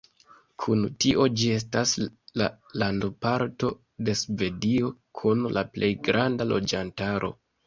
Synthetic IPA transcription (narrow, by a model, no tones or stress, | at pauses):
kʰuntiʔo̞d͡ʒie̞s̬tasla | landopaɾto̞ | de̞sve̞dio̞kʰunlaplʔe̞jɡɾandalo̞̰d͡ʒantaɾʔo̞̰